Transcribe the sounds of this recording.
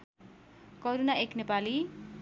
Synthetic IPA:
kʌɾunaeknepali

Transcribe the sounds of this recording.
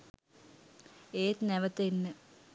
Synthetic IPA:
eːt̪nɛʋət̪enːə

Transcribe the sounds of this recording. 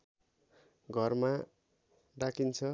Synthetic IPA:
ɡʱʌrma | ɖakʰint͡sʰʌ

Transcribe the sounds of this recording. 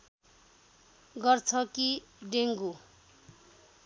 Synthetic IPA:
ɡʌrt͡sʰʌkiɖeŋɡu

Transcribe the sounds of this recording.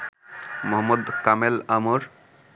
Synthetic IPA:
mɔɦɔmːod̪kamelamuɾ

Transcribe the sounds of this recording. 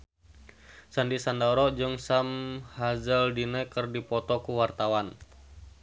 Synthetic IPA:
sandisandaɾɔd͡ʒɨŋsamhazəldinɛkɨrdipɔt̪ɔkuwart̪awan

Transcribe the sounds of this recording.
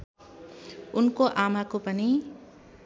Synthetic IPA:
ʊnkoʔaːmakopəni

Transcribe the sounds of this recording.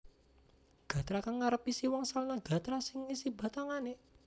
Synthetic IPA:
ɡ̥ä̤t̪ɾakaŋːaɾəpisiwɔŋsalnaɡ̥a̤t̪ɾasɪŋisiba̤t̪aŋane

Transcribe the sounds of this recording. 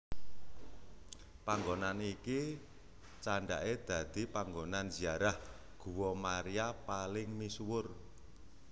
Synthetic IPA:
paŋɡonaniki | t͡ʃaɳɖa̰ʔed̪̥ä̤d̪̥i̤paŋɡonanz̥iaɾah | ɡ̥uwɔmaɾiapalɪŋmiswʊr

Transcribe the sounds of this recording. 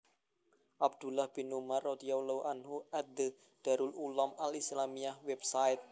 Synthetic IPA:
ʔab̚d̪̥ṳlahb̥i̤numarːɔd̪iawlauʔanɦuʔad̪ə | d̪̥a̤ɾululɔmalislamiahwɛbsaɪt̪̚

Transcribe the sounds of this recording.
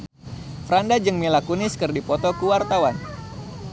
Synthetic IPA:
fɾandad͡ʒɨŋmilakunɪskɨrdipɔt̪ɔkuwart̪awan

